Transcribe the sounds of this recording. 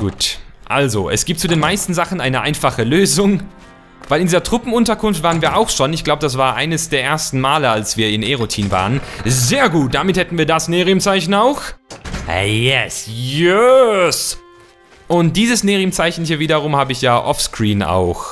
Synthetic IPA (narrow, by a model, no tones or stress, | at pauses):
ɡ̥ṵːtʔa̰lzoʔɛ̰sɡ̥iːpt̚t͡sudeːnmaɪstn̩zaχn̩ʔaɪnəʔaɪnfaχəløːzʊŋ | vaɪlɪndiːzɐtʁ̥ʊpm̩ʊntɐkʰʊnftvaːʁənviːɐʔaʊxʃoːnɪçɡ̥laʊbədas̬v̥aːɐʔa̰ɪnəsd̥eːɐʔeːɐstn̩maːləalsv̥iːɐɪnʔeʁotʰiːnva̰ːʁənzeːɐɡuːt̚d̥amɪthɛtn̩viːɐdasneːʁimt͡saɪçn̩aʊx | jɛsjɛs | ʔʊnt̚d̥iːzəsneːʁimt͡saɪçn̩hiːɐviːdɐʁ̞ʊmhaːbəɪçjaːʔɔ̰fskʁ̥iːna̰ʊx